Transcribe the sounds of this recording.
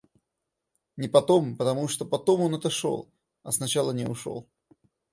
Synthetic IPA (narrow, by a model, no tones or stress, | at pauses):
nʲɪpɐt̪o̞mpət̪ɐmuʂt̪opɐt̪omonɛt̪əʂo̰lˠ | ɐsnɐt͡ɕalˠənʲɪʊʂo̰lˠ